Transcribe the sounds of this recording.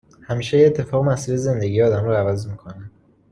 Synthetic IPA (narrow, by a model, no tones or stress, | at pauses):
hæmiːʃejeːt̪ʰːe̞fɒːɣemæsiɾeze̞nd̪e̞ɡijɒːd̪æmɾɒævæzmiːkʰo̞nænd̪̥